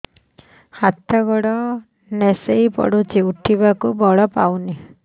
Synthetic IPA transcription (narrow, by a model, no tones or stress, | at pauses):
hat̪ɔɡɔɽɔ | nesejpɔ̰ɽut͡ʃiuʈʰibakubɔɭɔpawni